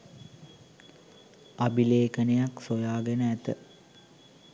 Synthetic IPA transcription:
abileːkənejaksojaːɡɛnəæt̪ə

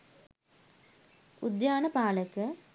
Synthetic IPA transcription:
ud̪jaːɳɐpaːlɐkːɨ

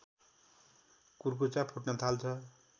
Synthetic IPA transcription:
kurk̬ot͡sapʰoʈnʌt̪ʰalt͡sʰʌ

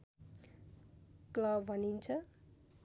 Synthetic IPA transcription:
klʌbbʱʌnint͡sʰʌ

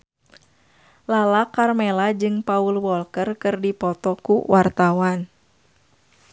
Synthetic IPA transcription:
lalakarmɛlad͡ʒɨŋpaulwɔlkərkɨrdipɔt̪ɔkuwʔart̪awan

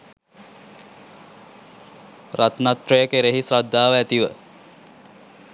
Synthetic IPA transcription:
rat̪nat̪ːɾejəkeɾeɦisrad̪ːaːʋəæt̪iʋə

